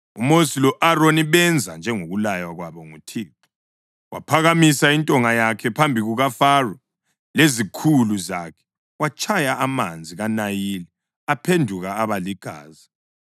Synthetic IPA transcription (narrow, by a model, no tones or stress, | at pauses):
ṵmosilɔʔaroniβɛnd͡zʱand͡ʒʱɛŋoɣulajwaɣwaβɔŋutʰiːtɔ̥ | wa̰pʰaɣamisaintʼɔŋajakʰɛpʰambʱiɣuɣafarɔ | lezikʰuluzakʰɛ̥ | wat͡ʃʰʼajaʔːmand͡zʱiɣanajilɛ | apʰendʱuɣaːβaliɡ̥ʱa̰ːzi